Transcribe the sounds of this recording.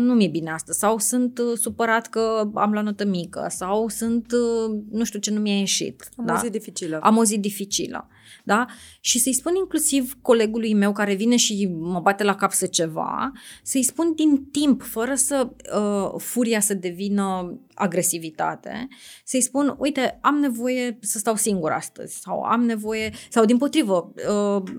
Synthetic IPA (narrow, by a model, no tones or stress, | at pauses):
numije̞bine̞ast̪əz̥ʲsawsɨnt̪supəɾat̪kəa̰mlanot̪əmikə̰sawsɨnt̪nuʃt̪ʲut͡ʃe̞numijajeʃḭt̪ad̪aazit̪d̪ifit͡ʃiləa̰mauzit̪̚d̪ifit͡ʃḭlə̰ | d̪aʃisəjspuniŋklusivko̞le̞ɡulujme̞wkaɾe̞vine̞ʃiməbat̪e̞lakapsət͡ʃe̞va̰səjspund̪int̪impfəɾəsəəfuɾijasəd̪e̞vinəa̰ɡɾe̞sivit̪a̰t̪e̞̰səjspunujt̪e̞amne̞vo̞je̞səst̪awsiŋɡuɾa̰st̪ə̰z̥ʲsa̰wa̰mne̞vo̞je̞sawd̪impo̞t̪ɾivəə